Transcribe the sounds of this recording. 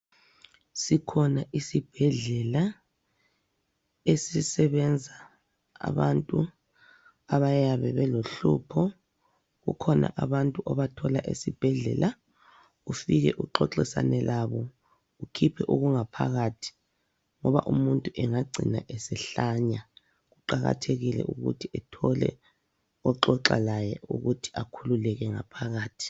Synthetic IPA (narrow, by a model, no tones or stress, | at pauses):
sikʰɔnaʔisib̥ʱɛɮɛla | esisɛβɛnd͡zʱa̰ː | βantʼu | aβajaβɛβɛloɬupʰɔ | ɣṵkʰɔna̰ʔaβantʼuʔɔβatʰɔlaʔḛsib̥ʱɛɮɛ̰lʔa | ufiɣɛ̰ʔuǁɔǁisa̰nɛlaβɔ | ukʰipʰɛʔoɣuŋapʰa̰ɣatʰi̥ | ŋɔβa̰ʔumuntʼuʔɛŋaɡ͡ǀʱḭna̰ʔɛsɛɬaɲa | ɣuǃaɣa̰tʰeɣilɛ̰ʔuɣṵtʰiɛtʰɔlɛ̰ | ɔǁɔǁa̰lajɛʔṵɣutʰi̥akʰululɛɣɛŋa̰pʰaɣaːtʰi̥